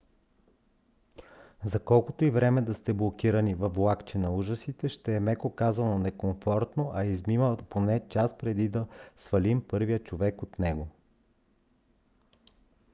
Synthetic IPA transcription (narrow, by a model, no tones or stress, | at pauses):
zɐkɔlˠkot̪oivɾɛmɛd̪ɐst̪ɛblˠokiɾɐnivɐflˠakt͡ʃɛnɐuʒəsit̪ɛʃt̪ɛːmɛkokazɐnonɛkoɱfɔɾt̪noʔɐizmiməponɛt͡ʃaspɾɛd̪id̪ɐsvɐlimpɤɾvijət͡ʃovɛkot̪nɛɡo